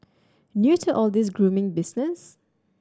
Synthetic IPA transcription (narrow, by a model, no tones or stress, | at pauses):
njutʰəʔɔlˠd̪ɪs̬ɡɹumɪ̃ŋbɪsnəs